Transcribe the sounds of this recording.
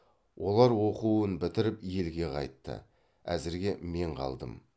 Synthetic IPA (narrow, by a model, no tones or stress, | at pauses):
wʔo̞lˠɑɾwo̞quənbɪt̪ɪɾɪpje̞lɡʲe̞qʰɑ̰jt̪ːə̰ | æzɪɾɡʲe̞me̞ɴqʰɑ̰lˠd̪ə̰m